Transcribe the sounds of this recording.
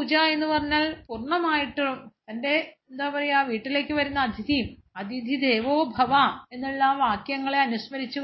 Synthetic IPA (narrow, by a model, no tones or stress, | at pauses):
ud͡ʑaːe̞nːupɐrɐɲːaːlpurɳɐmaːjiʈːut̪ɐnde̞end̪aːpɐrɐjuaːʋiːʈːile̞ːkʲːɨʋɐɾunːɐːd̪ʱid̪ʱi | ɐd̪ʱid̪ʱid̪e̞ːʋoːbʱɐʋɐe̞nːuɭːɐʋaːkjɐŋːɐɭe̞ɐnuɕmɐɾit͡ɕːu